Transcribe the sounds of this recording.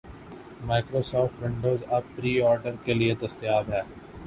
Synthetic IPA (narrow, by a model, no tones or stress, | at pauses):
maːɪkɾoːsɔːfʈʋɪ̃ɳɖoːzɐb̚pɾiːɔːɾɖəɾkelied̪ɐst̪jaːbɦɛː